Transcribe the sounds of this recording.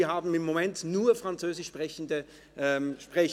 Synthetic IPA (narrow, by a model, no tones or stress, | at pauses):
ɐɦaːbm̩ɪmːomɛntnuːɐfʁant͡søːzɪʃpʁɛçəndə | ʔɛʃpʁ̥ɛç